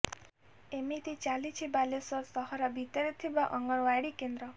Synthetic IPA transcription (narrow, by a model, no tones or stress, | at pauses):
emit̪it͡ʃalit͡ʃʰibalesɔɾsɔɦɔɾabʱit̪ɔɾet̪ʰibaʔɔŋɡɔɽ̃ʋaɽikend̪ɾɔ